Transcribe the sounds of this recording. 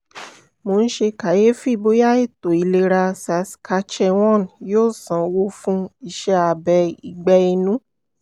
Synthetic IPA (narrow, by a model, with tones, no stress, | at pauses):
mo˧ñ̩˦ʃe˧ka˨je˦fi˦˧˨bo˦ja˦e˦˨to˨i˨le˧ɾa˧sa˨˧˦skʰa˧t͡ʃɛ˦w̃ɔ̃˦˨n˨joː˦sã˨wo˧˦fũ˦i˦˨ʃɛ˧˦a˨bɛ˧i˨ɡ͡bɛ˧i˧nũ˨˦